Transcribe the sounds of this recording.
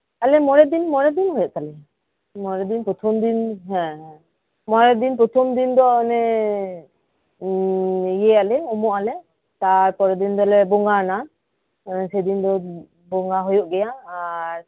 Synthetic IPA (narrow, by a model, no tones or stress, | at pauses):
alɛmɔɾɛd̪inmɔɾɛd̪inɦɔjɔʔt̪alɛ | mɔɾɛd̪inpɔt̪ʰɔmd̪inɦɛ̃ | mɔɾɛd̪inpɔt̪ʰɔmd̪ind̪ɔɔnɛ | ijɛalɛɔmɔʔalɛ | t̪aɾpɔɾɛd̪ind̪ɔlɛbɔŋɡana | sɛd̪ind̪ɔ | bɔŋɡaɦɔjɔʔɡɛjaːɾ